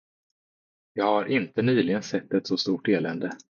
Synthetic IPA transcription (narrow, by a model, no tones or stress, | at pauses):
jɑːɡhaɾʔɪnt̪ənyːlɪɡənsɛt̪ːɛt̪sɔst̪uːʈeːlɛnd̪ə